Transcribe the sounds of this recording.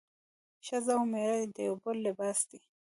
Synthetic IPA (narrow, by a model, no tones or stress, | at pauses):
ʃazawmeɾajd̪əjowbʊlːɪbɑːsd̪i